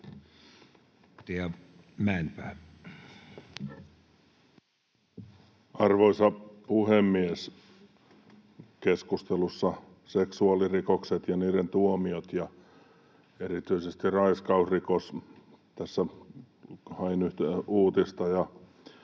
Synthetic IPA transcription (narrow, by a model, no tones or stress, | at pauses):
t̪eæmænpæː | ɑrʋoisɑpuhemːies | keskust̪elusːɑ | seksuɑlirikokset̪jɑniːɾent̪uomiot̪jɑ | erit̪yisest̪irɑiskɑusrikos | t̪æsːæ | hɑinyht̪euːt̪ist̪ɑjɑ